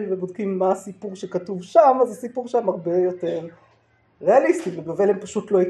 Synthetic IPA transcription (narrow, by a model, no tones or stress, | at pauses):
lvebod̚kimːaːsipuʁʃekatuvʃamazasipuʁʃeamaʁbejo̞te̞ʁ | ʁealist̪iveɡave̞lempaʃutlo̞ik